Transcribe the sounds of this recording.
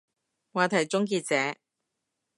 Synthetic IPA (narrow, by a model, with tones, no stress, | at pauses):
waː˨˧t̪ʰɐ˨˩jt͡sʊ˥ŋk̬iː˧t̚t͡sɛː˨˥